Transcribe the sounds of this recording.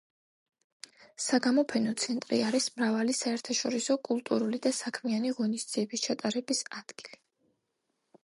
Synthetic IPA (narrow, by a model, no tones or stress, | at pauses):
saɡamɔpʰɛnɔt̪sʰɛnt̪ʼɾḭaɾismɾavalisaɛɾt̪ʰaʃɔɾisɔkʼulˠt̪ʼuɾulid̪asakʰmianiʁɔnisd̪z̥iɛbist͡ʃʰat̪ʼaɾɛbisad̪̥ɡ̥ili